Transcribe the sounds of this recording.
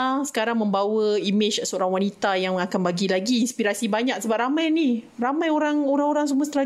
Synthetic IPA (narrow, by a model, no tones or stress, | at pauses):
sə̥kaɾaŋmə̃mbawəimɪt͡ʃsəoɾaŋwanit̪ajaŋakanbaɡilaɡiːnspiɾasibaɲak̚səbap̚ɾamãjni | ramãjoɾaŋoɾaŋoɾaŋs̬uməst̪ɾa